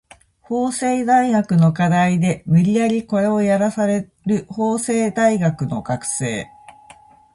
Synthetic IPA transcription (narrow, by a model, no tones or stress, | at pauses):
ho̞ːse̞ːd̪aiɡakɯ̟no̞kad̪aid̪e̞mɯ̟ɾʲiaɾʲiko̞eojaɾasaɾe̞ | ɾɯ̟ho̞ːse̞ːd̪aiɡakɯ̟no̞̰ɡakɯ̟̥se̞̰ː